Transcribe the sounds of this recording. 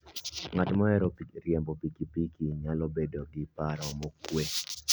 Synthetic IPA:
ŋatmɔɛɾɔpɾjɛmbɔpikipikiɲalɔbedoɡɪpaɾɔmokwe

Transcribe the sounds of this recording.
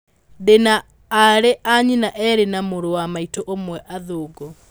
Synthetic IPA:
denaː | ɾeʔaɲinaʔɛɾenamoɾowamaitoʔomwɛʔaðoːɡɔ

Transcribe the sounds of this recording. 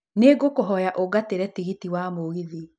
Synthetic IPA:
neːɡokoɦɔjaʔoɡateɾɛtiɣitiwamoɣiði

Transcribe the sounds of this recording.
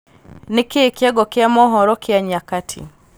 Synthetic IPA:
nekeːkjaɡɔkɪamɔɦɔɾɔkɪaɲakatʰḭ

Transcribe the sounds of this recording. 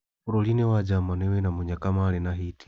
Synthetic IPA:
uɾɔlinɛwad͡ʒamanɛwɛnamuɲakamalɛnaɦiti̥

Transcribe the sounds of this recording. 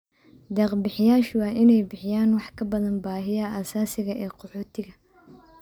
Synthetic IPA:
d̪ɑːqbɪħɪjaːʃwɑːʔɪnɛjbɪħɪjaːnwɑħkʰɐbɐðɐnbaːɦɪjɐʔaːsaːsɪɣɐʔɛːqɔħɔːt̪ʰɪɣɐ

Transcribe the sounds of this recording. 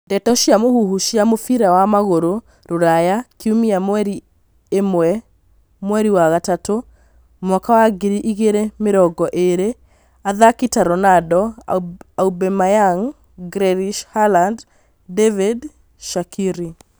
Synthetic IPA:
dɛtɔʃjamohuɦuʃjamofiɾawamaɣoɾo | ɾoɾajakiumiamwɛɾi | emwɛ | mwɛɾiwaɣatato | mwakawaɡiɾiʔiɣeɾemeɾɔɡɔʔeɾe | aðakitaɾɔnadɔ | aubɛmajaŋ | ɡɾɛɾiʃhaland | devid | ʃakʰiɾi

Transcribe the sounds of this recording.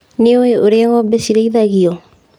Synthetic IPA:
neoeoɾeaɣɔbesiɾeiðaɣiɔ

